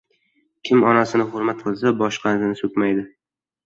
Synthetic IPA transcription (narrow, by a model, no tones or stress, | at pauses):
kʲʰɪmɒnasɪnɪχoɾmat̪̚qʰɨlˠsabɒʃqʰɑnzɪnɪsɵkʲmajd̪ɪ